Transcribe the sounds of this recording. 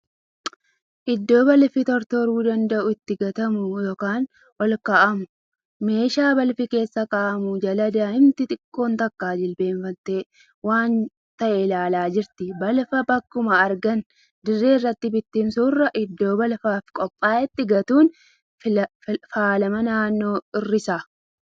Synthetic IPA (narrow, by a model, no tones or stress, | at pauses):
ʔɪd̪ːo̞ːbɐlfɪt̪ɔɾt̪ɔɾuːd̪ɐnd̪ɐʔʊɪt̪ːɪɡɐt̪ɐmʊjoːkaːn | wɐlkaːʔɐmʊ | me̞ːʃaːbɐlfɪke̞ːsːɐkaːʔɐmʊd͡ʒɐlɐd̪aːhɪmt̪ɪt̪ʼɪkʼːo̞ːnt̪ɐkːaːd͡ʒɪlbe̞ːɱfɐnt̪e̞ː | waːn | t̪ɐʔɛlaːlaːd͡ʒɪɾt̪ɪbɐlfɐbɐkːʊmɐːɾɡɐn | d̪ɪrːeːrːɐt̪ːɪbɪt̪ːɪmsuːrːɐʔɪd̪ːo̞ːbɐlfaːfkʼɔpʼːaːʔɪt̪ːɪɡɐt̪uːn | faːlɐmɐnaːnːo̞ːɪrːɪsaː